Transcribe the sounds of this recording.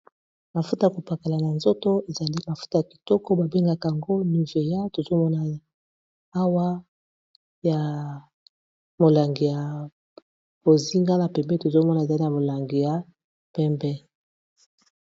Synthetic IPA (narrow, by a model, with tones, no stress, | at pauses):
ma˨fu˦ta˨ja˨ko˨pa˨ka˨la˨na˨nzo˦to˦e˨za˨li˦ma˨fu̥˦ta˨ja˨ki̥˨tɔ˦kɔ˦ba˨be˦ŋɡa˦ka˨a˨ŋɡo˦ni˨ve˨ja˦to˨zo˦mɔ˦na˨ | a˦wa˦ | ja˨ | mo˨la˨ŋɡi˨ja˨ | bo˨zi˦ŋɡa˦na˨pɛ˨mbɛ˦to˨zo˦mɔ˦na˨e˨za˨li˦na˨mo˨la˨ŋɡi˨ja˨˦ | pɛ˦mbɛ˦